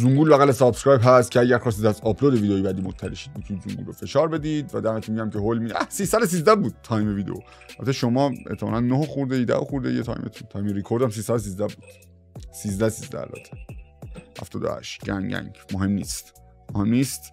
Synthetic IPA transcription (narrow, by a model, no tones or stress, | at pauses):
zuŋɡuːlbæɣælesɒbskɾɑːjpɦæst̪̚cʰeæɟæɾxɒːs̬t̪it̪æzɒpʰlod̪eviːd̪eiːbæd̪iːmot̪ʰːæleʃi̥d̪̚mit̪ʰunit̪zuŋɡṵlɾofe̞ʃɒːɾbe̞d̪iːd̪væd̪æɾmæt̪ʰimiɟæmcʰeɦolmid̪æsiːsæd̪os̬iːzd̪æbuːd̪̥̚t̪ʰːɒːjmeviːd̪eo | ʔæt̪ʰːeʃomɒːet̪ʰːemɒ̰nænːohoxuɾd̪ejed̪æ̰ʔoxuɾd̪ejet̪ʰɒ̰ːjmet̪ʰunt̪ʰɒːjmeɾikʰoɾd̪æms̬iːsæd̪os̬iːzd̪æbuːd̪̥ | siːzd̪æsiːzd̪æ̰ɾæ̰t̪ʰe̥ | hæ̰ft̪ʰɒ̰ːd̪o̰hæ̰ʃɟ̥æŋɟæ̰ŋɟmoɦe̞mːnḭːst̪ | mohe̞mniːst̪